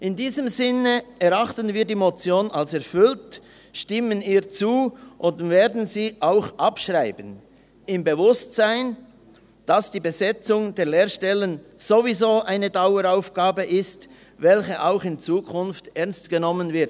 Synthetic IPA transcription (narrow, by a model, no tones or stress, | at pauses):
ʔɪndiːzəmzɪnəɛʁɑχtənviːɐdiːmot͡sjoːnalsɛɐfʏlt | ʃtɪməniːt͡suːʔʊntveːɐdn̩ziːʔaʊxʔapʃʁaɪbən | ɪmbəvʊstzaɪn | d̥asd̥iːbəzɛt͡sʊŋdeːɐleːɾʃtɛlənz̥ovizoːʔaɪnədaʊəɾaʊfɡ̥aːbəʔɪst | vɛlçəʔaʊxɪnt͡suːkʰʊnftʔɛɐnstɡ̥ənɔmənvɪt